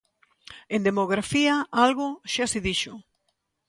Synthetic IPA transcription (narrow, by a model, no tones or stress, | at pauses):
end̪emoɣ̞ɾafiaalɣʊʃasiðiʃʊ